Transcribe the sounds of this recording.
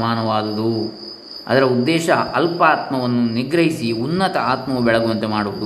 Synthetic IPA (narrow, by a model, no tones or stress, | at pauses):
maːnɐʋaːd̪ɐd̪u | ɐ̰d̪ɐɾɐud̪ːɛːʃɐɐlpaːt̪mɐʋɐnːuniɡɾɐɦisiunːɐt̪ɐaːt̪mɐʋubɛɭɐɡuʋɐnt̪emaːɽuʋɐd̪u